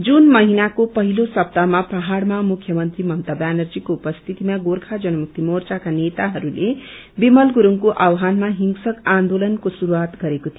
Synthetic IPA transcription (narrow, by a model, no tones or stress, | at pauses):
d͡zunmʌɦinakopʌɦilosʌp̚t̪amapaɦaɽmamukʰːjʌmʌnt̪rimʌnt̪ʌbanʌrd͡zikoupʌst̪ʰit̪imaɡorkʰad͡zʌnʌmuk̚t̪imort͡sakanet̪aɦʌɾule | bimʌlɡuɾuŋkoʔawɦanmaɦiŋɡsʌkãnd̪olʌnkosuɾuat̪ɡʌɾekot̪ʰijo